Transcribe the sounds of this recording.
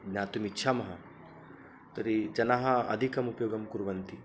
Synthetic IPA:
naːt̪umitːʃʰaːmɐɦɐ | t̪ɐɾid͡ʒɐnaɦɐɐ̰d̪ʱikɐmupjoːɡɐmkuɾʋɐnt̪i

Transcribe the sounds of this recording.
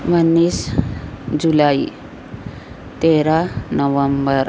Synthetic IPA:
mənːiːs | d͡zulai | t̪eɾanəʋəmbəɾ

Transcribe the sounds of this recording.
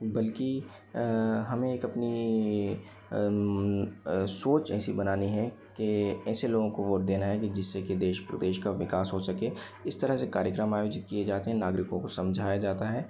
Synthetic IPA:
bɐlki | ɦɐmẽeːkɐpni | soːt͡ʃɛːsibɐnaːniɦɛ | keɛːseloːɡõkoʋoːʈ̚d̪eːnaɦɛkid͡ʒɪsːeked̪eːʃpɾə̰d̪eːʃkaʋɪkaːsɦosɐke | ɪst̪ɐɾəɦsekaːɾjəkɾəmaːjoːd͡ʒɪt̪̚kied͡ʒaːt̪eɦɛ̃naːɡɾɪkõkosɐ̃md͡ʒʱaːjad͡ʒaːt̪aɦɛː

